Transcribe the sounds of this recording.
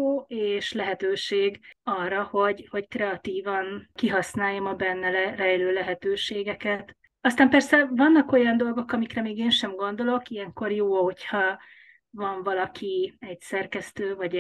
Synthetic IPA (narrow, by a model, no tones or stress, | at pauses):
oːeːʃlɛɦɛt̪øːʃeːɡɒrːɒho̞ɟho̞ckrɛɒt̪iːvɒnkiɦɒsnaːjːomɒbɛnːɛlɛrɛjløːlɛɦɛt̪øːʃeːɡɛkɛt̪ | ɒst̪aːmpɛrsɛvɒnːɒko̞jɒnd̪o̞lɡo̞kɒmikrɛmeːɡeːnʃɛmɡo̞n̪d̪o̞lo̞kijɛŋko̞rjoːho̞chɒ | vɒɱvɒlɒkʰiɛɟsɛrkɛst̪øːvɒɟ